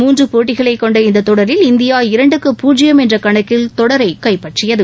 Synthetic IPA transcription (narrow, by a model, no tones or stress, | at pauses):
muːndrɯpoːʈːɪɣɐɭɐɪkːɔɳɖɐɪnd̪ɐt̪ːɔɽɐɾɪlɪnd̪ɪjaːɪɾɐɳɖɯkːɯpːuːd͡ʒɪjɐmɛndrɐkɐɳɐkːɪlt̪ɔɽɐɾɐɪkːɐɪpːɐʈrɪjɐðɯ